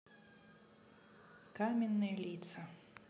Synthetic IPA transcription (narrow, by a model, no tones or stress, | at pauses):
kamʲɛnːɨjɛlʲit̪sɐ